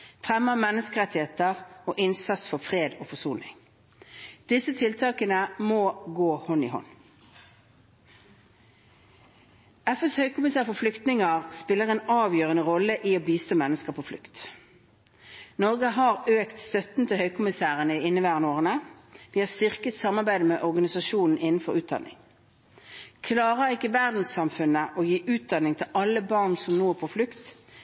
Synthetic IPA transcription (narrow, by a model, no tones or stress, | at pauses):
fʁɛməmɛnːəskəʁɛt̪ɪheːt̪əʁoːʔɪnsɑt̪sfɔfʁeːd̪o̰ːfɔsuːnɪ̰ŋ | d̪̥ɪsət̪ʰɪlt̪ʰɑːkənəmoːɡoːhɔnḭːhɔ̰n | ɛfɛshœʏkʊmɪsæːʁfɔflʏkt̪nɪŋəʁspɪlːəʁeːnɑːʋjøːʁənəʁɔləʔiːoːbiːst̪oːmɛnːəskəʁpʰoːflʏ̰kt̪ | nɔʁɡəɦɑːʁøːkt̪st̪œt̪n̩t̪ʰɪhœʏkʰʊmɪsæːʁənəɪɪnːəʋæːʁənoːʁənəd̪iːhɑːst̪ʏʁkət̪sɑmɑʁbæɪd̪əmeːʔɔʁɡɑnɪsɑʃuːnn̩ɪnn̩fɔʁʉːt̪̚d̪ɑ̰nːɪ̰ŋ | kʰlɑːʁəʁɪkːəʋæʁd̪n̩sːɑmfʉnəʔoːjiːʔʉːt̪̚d̪ɑnːɪŋt̪ʰɪlʔɑlːəbɑʁnsɔmnoːæpʰoflʉkt̪